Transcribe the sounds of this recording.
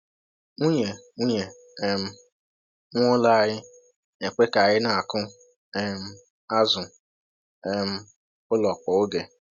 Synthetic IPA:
u˦ɲe˨ŋu˦ɲe˨ | ɛ˨m̩˦ | ŋʷo˦la˨a˨ɾɪ˦ | e˨kʷe˦ka˨a˨ɾɪ˦na˨a˨kʊ˦ | ɛ˦m̩˦ | a˦zʊ˨ | e˦m̩˦ | ʊ˦lɔ˨k͡pɔ˨o˦ɡe˨

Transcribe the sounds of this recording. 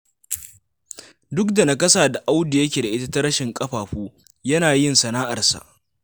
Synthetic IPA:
dʊ˦kda˨na˨kɐ˦saː˨da˨ʔa˦wdi˨jɐ˦k̬ʲeː˨da˨ʔɪ˦ta˦ta˦ɾɐ˦ʃɪ˨ŋkʼɐ˦ɸaː˨ɸuː˦ | jɐ˦naː˨jɪ˦nsɐ˨naː˦ʔa˨rsa̰˨ʔ

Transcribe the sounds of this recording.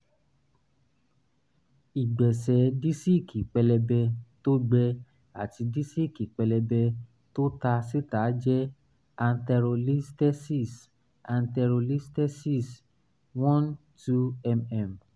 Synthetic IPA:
i˨ɡ͡bɛ˨sɛ˨˦di˦si˦˨kʰi˨k͡pɛ˧lɛ˧bɛ˧to˦ɡ͡bɛ˧ | a˨ti˧di˦si˦˨ki˨k͡pɛ˧lɛ˧bɛ˧ | to˦ta˧si˦ta˨˦d͡ʒɛ˦ | a˧n̩˦tɛ˧ɾo˧li˦stɛ˦si˦˨s | a˧ntɛ˧ɾo˧li˦stɛ˦si˦˨s | wɔ̃˦n | tu˦ɛ˧mɛ˨m

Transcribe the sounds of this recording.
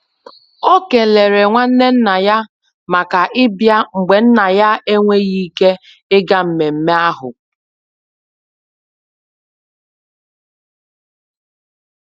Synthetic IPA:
o˦ke˨le˨ɾe˨ŋʷa˦n̩˦ne˦n̩˦na˨ja˦ | ma˨ka˨ʔɪ˦bja˦ŋ͡m̩˨ɡ͡be˨n̩˦na˨ja˦e˦ŋʷe˦ɣi˦ke˦ | ɪ˦ɡa˦m̩˨me˨m̩˦me˦a˦ɦʊ̰˨

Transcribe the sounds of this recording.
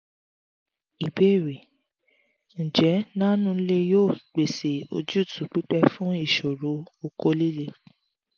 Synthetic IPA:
i˨be˦˨ɾe˨ | n̩˨d͡ʒɛ˨˦nã˦nũ˦le˧joː˦˨k͡pe˨se˨o̰˧d͡ʒu˦˨tʰu˨˦k͡pi˦k͡pɛ˧fũ˦i˦˨ʃo˨ɾo˨˦o˧ko˧li˦˨le˧

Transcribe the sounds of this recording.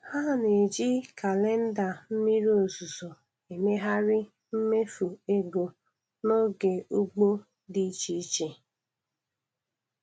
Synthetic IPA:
ha˦˨ne˨d͡ʒi˦ka˨le˦n̩˦da˨m̩˦mi˦ɾo˨zu˨zo˨ | e˨me˦ɦa˦ɾɪ˦ | m̩˦me˦fu˨e˦ɡo˨ | no˦ɡe˨u˦ɡ͡bo˦ | dɪ˦t͡ʃi˦i˦t͡ʃe˦

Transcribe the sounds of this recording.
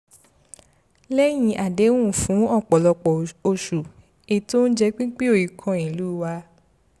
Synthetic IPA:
lɛ˦j̃ĩ˧ʔa˨de˨˦wũ˦˨fũ˨˦ɔ˦˨k͡pɔ˨lɔ˧k͡pɔ˨o˧ʃu˨ | e˨to˦n̩˦d͡ʒɛ˧k͡pĩ˦k͡pi˦o˦˨ji˨kʰɔ̃˧ĩ˨lu˨˦˨wa˧

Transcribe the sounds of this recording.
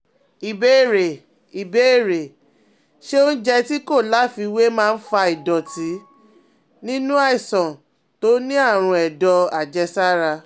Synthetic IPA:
i˨be˨˦˨ɾe˨ | i˨be˨˦˨ɾe˨ | ʃe˦o˦n̩˦d͡ʒɛ˧ti˦ko˦˨la˨˦fi˧we˦mãː˦˧n̩˦fa˧i˨dɔ˨ti˨˦ | nĩ˦nũ˦a˦i˨sɔ̃˨ | to˦nĩ˦a˦˨ɾ̃ũ˧ɛ˨dɔ˧a˨d͡ʒɛ˧sa˦ɾa˧

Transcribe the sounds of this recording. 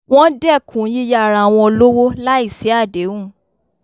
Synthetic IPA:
w̃ɔ̃˦dɛ˦˨kʰũ˨˦ji˦ja˦˨ɾa˨w̃ɔ̃˧lo˦wo˦la˦i˦˨sɛ˨˦a˦˨de˨˦ũ˦˨

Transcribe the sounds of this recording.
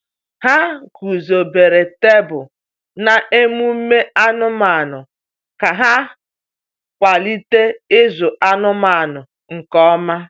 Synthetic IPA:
ha˦ku˨zo˨be˨ɾe˨te˦bʊ˨ | na˨e˦mu˦me˦a˦nʊ˦ma˨nʊ˨ | ka˨ɦa˦ | kʷa˨li˦te˦ɪ˦zʊ˨ʔa˦nʊ˦ma˨nʊ˨ | ŋ̩˨kɔ˦ma˦

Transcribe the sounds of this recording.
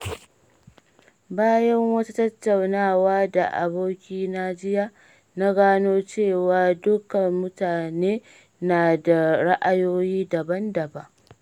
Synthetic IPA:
baː˦jɐ˦ŋwɐ˦ta˦tɐ˦tːa˨wnaː˦˨waː˦da̰˨ʔa̰˨boː˦kʲiː˦na˦d͡ʒɪ˦ja˦ | na˦ɡaː˦noː˦t͡ʃeː˦˨waː˨dʊ˦kɐ˨mʊ˦taː˨neː˦ | naː˨da˨ɽa˦ʔa˦joː˦jiː˦dɐ˨bɐ˦ndɐ˨ba˦ʔ

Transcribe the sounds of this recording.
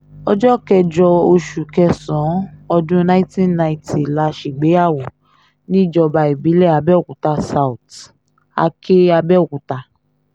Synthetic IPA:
ɔ˦d͡ʒɔ˦˨kɛ˧d͡ʒɔ˧o˧ʃu˨kɛ˧sɔ̃˨˦ɔ˧dũ˦na˦i˦ti˦na˧i˨ti˨la˧ʃi˨ɡ͡be˨˦a˦˨wo˨ | nĩ˦˨d͡ʒɔ˧ba˧i˨bi˨˦lɛ˦˨a˧bɛ˦˨ku˨ta˧sa˨u˨t | a̰˧kʰe˦a˧bɛ˦˨ku˨ta˧

